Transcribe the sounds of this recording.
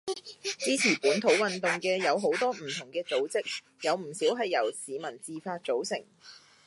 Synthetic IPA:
t͡siː˥t͡sʰiː˨˩puː˨˥nt̪ʰo˨˥wwɐ˨nt̪ʊ˨ŋkɛː˧jɐ˨˧wɦo˨˥wt̪ɔː˥m̩˨˩t̪ʰʊ˨˩ŋkɛː˧t͡so˨˥wt͡sɪ˥k̚ | jɐ˨˧wm̩˨˩siː˨˥wɦɐ˨jːɐ˨˩wsiː˨mɐ˨˩nt͡siː˨faː˧t̚t͡so˨˥wsɪ̰˨˩ŋ

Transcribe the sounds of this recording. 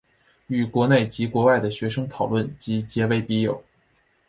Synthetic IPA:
y˨˩kwɔ˧˥ne˥˩ɪt͡ɕi˧˥kwɔ˧˥wa˥˩ɪd̪ə˩ɕɥɛ˧˥ʂɤ˥ŋt̪ʰɑ˨˩ʊlwə˥˩nt͡ɕi˧˥t͡ɕjɛ˧˥we˧˥ɪpi˧˥jo˨˩˦ʊ

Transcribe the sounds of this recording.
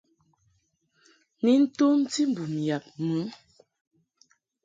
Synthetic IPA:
ni˨˦n̩˦tu˦n˦ti˦m˨bu˨m˨ja˨p̚mu˨˦

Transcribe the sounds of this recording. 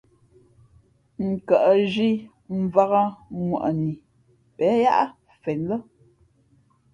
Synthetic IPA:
ŋ̩˨ka˨ʔə˨ʒi˦ | m̩˦˨va˦ɣa˦ŋwa̰˨ʔə˨ni˨ | pɛ˨˦ja˦ʔa˦ | fɛ˨nlə˦

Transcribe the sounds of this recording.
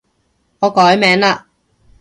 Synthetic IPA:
ŋɔː˨˧kɔː˨˥jmɛː˨˥ŋlaː˧

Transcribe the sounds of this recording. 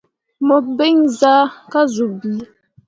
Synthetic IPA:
mɔ˨be˦ŋza˦ka˦zu˨b

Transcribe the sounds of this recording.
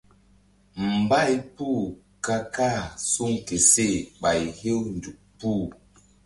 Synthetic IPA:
m̩˨ba˦˨jpu˦˨ | ka˦ka˦˨su˦˨ŋke˨se˦˨ɓa˨jhe˦wn˨du˨k̚pu˦˨

